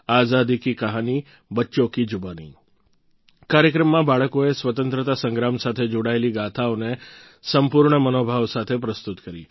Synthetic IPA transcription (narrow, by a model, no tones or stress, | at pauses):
azad̪ikikəɦani | bətːʃokid͡ʒʊbanḭ | kaɾjəkɾəmːãbaɭəkoesʋət̪ə̃nt̪ɾət̪asə̃ŋɡɾamsat̪ʰed͡ʒoɽaeliɡat̪ʰaone | səmpuɾɳəmənobʱaʋsat̪ʰepɾəst̪ut̪kəɾi